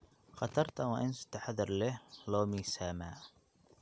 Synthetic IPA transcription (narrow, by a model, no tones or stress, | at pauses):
χɑt̪ʰɐrt̪ʰɐwɑːʔɪnsɪ̥t̪ʰɐħaðɐrlɛhlɔːmiːsaːmaː